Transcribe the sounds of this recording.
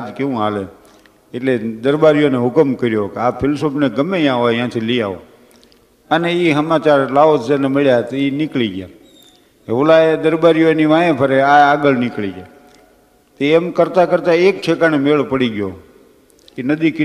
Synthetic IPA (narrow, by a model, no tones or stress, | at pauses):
d͡ʒkeũale | eʈled̪əɾbaɾijoneɦʊkəmkəɾjokeapʰɪlsopneɡəmːejãʋoajãt̪ʰilija̰ʋo | əneiɦəmat͡ʃaɾlaʋosd͡ʒanemɪɭjat̪oinɪkliɡja | eʋolaed̪əɾbaɾijoniʋãjẽpʰəɾeaaɡəɭnɪkliɡa | t̪eemkəɾt̪akəɾt̪aek̚t͡ʃʰekanemeɭpəɽiɡjo | kinəd̪iki